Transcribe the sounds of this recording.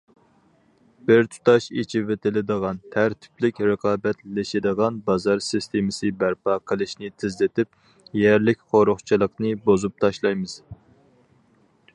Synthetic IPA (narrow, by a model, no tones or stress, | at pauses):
b̥ɪɾt̪ʰu̥t̪ɑʃit͡ʃʰivet̪ɪlɪd̪əʁɑnt̪ʰæɾt̪ʰɪ̥plɪkʲɾəqʰɑːbɛt̪lɪʃɪd̪əʁɑnbɑzɑɾsɪst̪ʰemɪsɨbæɾpɑːqʰəlˠɨʃnɪt̪ʰɪzlɪt̪ɪp̚ | jæɾlɪkʲχoɾʊχt͡ʃʰilˠəqnɨbozup̚t̪ʰɑʃlˠɑjmɨz̥